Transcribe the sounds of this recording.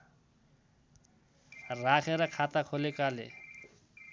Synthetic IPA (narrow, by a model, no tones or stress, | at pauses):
rakʰeɾʌkʰat̪akʰolekalḛ